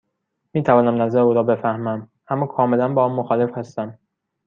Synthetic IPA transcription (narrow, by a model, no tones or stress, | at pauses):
miːt̪ʰævɒːnæmnæzæɾeuːɾɒːbe̞fæhmæm | ʔæmːɒːkʰɒːme̞lænbɒːɒːnmoxɒːle̞fhæst̪æm